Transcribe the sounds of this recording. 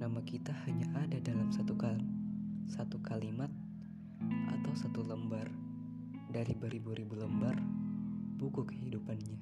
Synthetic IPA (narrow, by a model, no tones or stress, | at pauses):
namakit̪ahaɲaʔadadalamsat̪uka | sat̪ukalimat̪̚ | ʔat̪awsat̪uləmbar | daɾibuɾibuɾibuləmbar | b̥ukukəɦidupanɲa